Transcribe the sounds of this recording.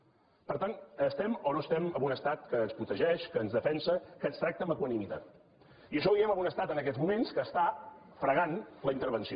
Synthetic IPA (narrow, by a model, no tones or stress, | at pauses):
pəɾt̪anəst̪ɛmɔnoəst̪ɛməβunəst̪at̪̚kəːnspɾut̪əʒɛʃkəːnzðəfɛnsəkənst̪ɾak̚t̪əməkuənimit̪at̪̚ | iəʃ̬ɔiɛməβunəst̪at̪ənəkɛzmumenskəːst̪a | fɾəɣanləint̪əɾβənsi